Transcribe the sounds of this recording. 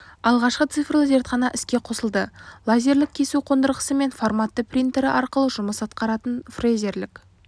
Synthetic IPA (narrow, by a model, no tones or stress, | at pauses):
ɑlˠʁɑʃqət̪sɨfrlˠəze̞ɾt̪χɑnɑʔɪskʲe̞qʰo̞səlˠd̪əlˠazʲeɾlɪk̚kʲʰe̞suqʰo̞nd̪əɾʁəsəme̞nformat̪ːəprʲint̪eɾɪʔɑɾqəlˠəʒʊməsɑt̪̚qɑɾɑt̪ənfrejze̞ɾlɪk